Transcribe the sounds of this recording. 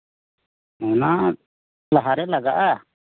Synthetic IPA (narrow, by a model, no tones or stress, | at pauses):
ɔna | laɦaɾɛlaɡaʔa